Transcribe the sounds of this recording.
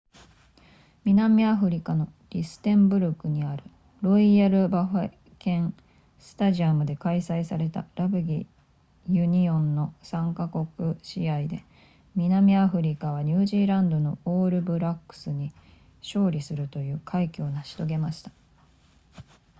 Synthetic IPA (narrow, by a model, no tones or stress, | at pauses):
mʲinamʲiaɸɯ̟ɾʲikano̞ɾʲisɨ̥t̪ẽ̞mbɯ̟ɾokɯ̟ɲ̟iaɾɯ̟ | ɾo̞iaɾɯ̟baɸ | kẽ̞ŋ | sɨ̥t̪aʑiamɯ̟d̪e̞kaisaisaɾe̞t̪a̰ɾabɯ̟ɡʲi | jɯ̟ɲ̟iõ̞nːo̞sãŋkako̞kɯ̟ɕiaid̪e̞̰ | mʲinamʲiaɸɯ̟ɾʲikaβ̞aɲ̟ɨːʑiːɾãnd̪o̞no̞oːɾɯ̟bɯ̟ɾakːɯ̥sɨɲ̟i | ɕo̞ːɾʲisɨɾɯ̟t̪o̞jɯ̟ːkʰaikʲo̞ːnaɕi̥t̪o̞ɡe̞maɕi̥t̪ḁ